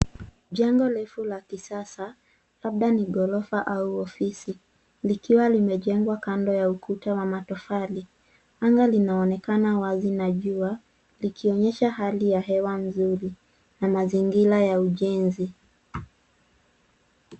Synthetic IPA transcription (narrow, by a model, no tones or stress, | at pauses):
ʄaŋɡɔlɛfulakisasa | laɓ̚ɗaniɡɔlɔfaʔauɔfisi | likiwalimɛʄɛŋɡwakandɔjaukʰutawamatɔfali | aŋɡalinaɔnɛkanawazinaʄua | likʰiɔɲɛʃahalijaɦɛwanzuɾi | namaziŋɡilajauʄɛnzi